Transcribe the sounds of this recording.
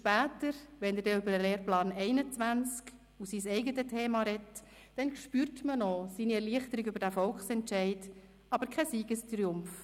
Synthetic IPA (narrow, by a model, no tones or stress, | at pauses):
ʃpæːtəɾʋɛnɛdɛʏbəɾəleːɾplɑːnɛɪnət͡sʋænt͡sk | usisɛɪɡətətʰeːmɑɾɛt | d̥ɛnkʃpyːrtmənɔsiːniɛɾliəχtəɾiɡʏbəɾd̥æfɔlkχsɛntʃɛɪt | ɑbəɾkʰɛsiːɡəstɾiʊmf